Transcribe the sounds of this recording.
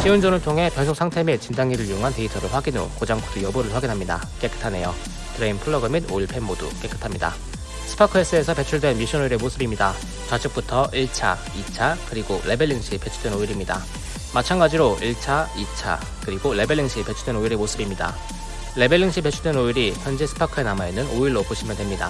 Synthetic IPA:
ɕʰiɯnd͡ʑʌnɯɭtʰoŋɦe̞pjʌnsʰoksʰaŋtʰe̞mit͡ɕindaŋiɾɯɭiuŋɦante̞itʰʌɾɯɭɸwaɡinɾo̰kod͡ʑaŋpʰudʰɯjʌbuɾɯɭɸwaɡinɦamɲida̰ | k͈e̞k͈ɯ̥tʰane̞̰jo | tɯɾeinpʰɯɭːʌɡɯmidoiɭpʰe̞nmodṵk͈e̞k͈ɯ̥tʰamɲida̰ | sʰɯ̥pʰakʰɯes͈ɯe̞sʰʌpe̞t͡ɕʰuɭdwe̞nmiɕʰʌnoiɾe̞mos͈ʰɯbimɲida | t͡ɕad͡ʑɯk̚p͈utʰʌiɭt͡ɕʰa̰ | it͡ɕʰakɯɾiɡole̞be̞ɭːiŋɕ͈ʰipe̞t͡ɕʰudwenoiɾimɲida̰ | mat͡ɕʰaŋɡad͡ʑiɾoiɭt͡ɕʰait͡ɕʰa̰ | kɯɾiɡole̞beɭːiŋɕʰipe̞t͡ɕʰudwe̞noiɾemosʰɯbimɲida̰ | le̞be̞ɭːiŋɕ͈ʰipe̞t͡ɕʰudwenoiɾiçjʌnd͡ʑesʰɯ̥pʰakʰɯe̞namainːɯnoiɭːopoɕʰimjʌndwe̞mɲida̰

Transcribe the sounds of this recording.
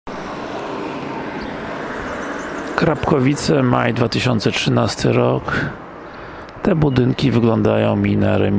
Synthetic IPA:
kɾapkɔvʲit̪sɛmajd̪vat̪ɘɕɔnt̪sɛtʂɘnast̪ʰɘɾɔk | t̪ɛbud̪ɘŋkʲivɘɡlɔnd̪ajɔ̃w̃mʲinaɾɛmʲ

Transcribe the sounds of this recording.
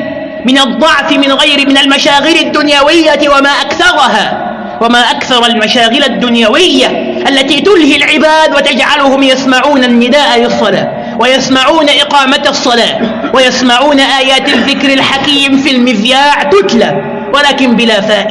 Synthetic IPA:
mɪnɑd̪ˤːɑʕfɪmɪnɣajɾɪmɪnalmaʃaːɣɪlad̪ːʊnjawɪjːawamaːʔakθɑɾˤɑɦaː | wamaːʔakθɑɾˤɑlmaʃaːɣɪlad̪ːʊnjawɪjːa | ʔalːat̪iːt̪ʊlhilʕɪbaːd̪wat̪ad͡ʒʕalʊhʊmjasmaʕuːnanːɪd̪aːʔalɪsˤːɑla̰ː | wajasmaʕuːnaʔɪqɑːmat̪sˤːɑlaː | wajasmaʕuːnaʔaːjaːt̪aðːɪkɾalħakiːmfilmɪðjaːʕt̪ʊt̪laː | walaːkɪmbɪlaːfaːʔɪ

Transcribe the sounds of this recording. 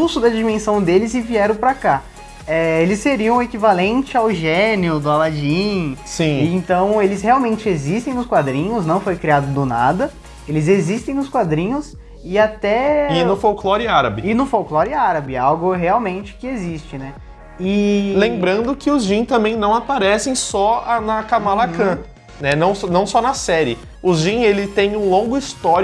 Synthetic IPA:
usʊd̪ɐd͡ʒimẽsɐ̃w̃d̪elɪzɪviɛɾɐ̃w̃pɾaka | ɛelɪsːeɾiɐ̃w̃ekivalẽnt͡ʃɪawʒenjʊd̪ʊalad͡ʒĩsĩẽnt̪ɐ̃w̃elɪsheawmẽnt͡ʃɪezist̪ẽj̃nʊskwad̪ɾĩɲʊsnɐ̃w̃fojkɾiad̪ʊd̪ʊnad̪ɐ | elɪzezist̪ẽj̃nʊskwad̪ɾĩɲʊs | ɪat̪ɛɪnʊfowklɔɾɪaɾɐbɪɪnʊfowklɔɾɪaɾɐbɪawɡʊɦeawmẽnt͡ʃɪ̥kɪezist͡ʃɪnɛ | ɪlẽmbɾɐ̃nd̪ʊkɪʊzʒĩt̪ɐ̃mbẽj̃nɐ̃w̃apaɾɛsẽj̃sɔanɐkamalakɐ̃ | nɛnɐ̃w̃sɔnɐ̃w̃sɔnɐsɛɾɪ | ʊʒĩelɪt̪ẽj̃ũlõŋɡʊist̪ɔɾ

